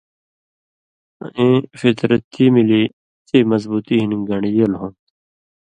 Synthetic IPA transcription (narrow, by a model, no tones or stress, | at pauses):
ʔẽfit̪ɾɐt̪ʰːiːmiliː | t̪ʰiːmɐzbuːt̪iːɦiniɡɐɳ̃ijɐlɦõn